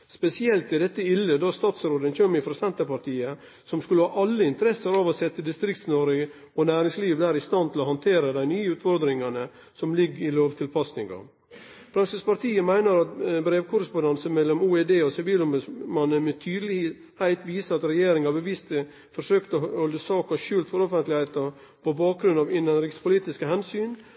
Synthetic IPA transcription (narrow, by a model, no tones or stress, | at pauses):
spɛsɪɛlt̪ɪd̪ɛt̪ːəɪlːəd̪ɑst̪ɑːt̪sɾoːd̪ənçømɪfɾɑsɛnt̪əpɑɾt̪ʰiːə | sɔmskʉləhɑːʔɑlːəɪnt̪əɾɛsəɾɑːʋɔsɛt̪ːəd̪ɪst̪ɾɪkt̪snoɾɪ | ɔnæːɾɪŋsliːʋd̪æːɾɪst̪ɑnt̪ʰɪlɔhɑnt̪ʰeːɾəd̪æɪnyːəʉːt̪fɔɾd̪ɾɪŋɑnə | sɔmlɪɡɪloːʋt̪ʰɪlpʰɑsnɪŋɑ̰ | fɾɑnsəspɑɾt̪ʰiːəmæɪnəɾɑt̪bɾeːʋkʰʊɾəspʊnd̪ɑnsəmɛlːɔmuːɛd̪eːɔsɪʋiːlʊmʉsmɑnːənmɛt̪ʰyːd̪əlɪ | hæɪt̪ʋiːsəɑt̪ɾɛjeːɾɪŋɑbəʋɪst̪ə | fɔɾʂøːkt̪ɔhɔld̪əsɑːkɑʃʉːlt̪fɔɾɔfənt̪lɪhæɪt̪əɾ | pɔbɑːk̚ɡɾʉnɑʋɪnənɾɪkspʰʊliːt̪ɪskəɦɛnsyːn